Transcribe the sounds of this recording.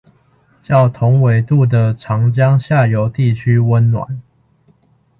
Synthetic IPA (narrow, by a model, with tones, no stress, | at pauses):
t͡ɕjɑ˥˨ʊt̪ʰʊ˨˦ŋwe˨˩ɪt̪u˥˨˩d̪ə˨ʈ͡ʂʰɑ˧˥ŋt͡ɕjɑ˦ŋɕja˥˨jo˨˦ʊt̪i˥˨t͡ɕʰy˦˥wə˦nnwa̰˨˩˦n